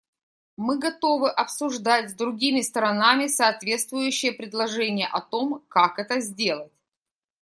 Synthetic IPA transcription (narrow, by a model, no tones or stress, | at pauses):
mɨɡɐt̪o̞vɨʔɐpsʊʐd̪atʲzd̪ɾʊɡʲimʲɪst̪ɾɐnamʲɪsɐːt̪vʲe̞t̪st̪vʊjʉɕːɪjəpɾʲɪd̪lˠɐʐɛnʲɪjəʔɐt̪o̞mkakɛt̪əzʲdʲe̞lˠət̚ʲ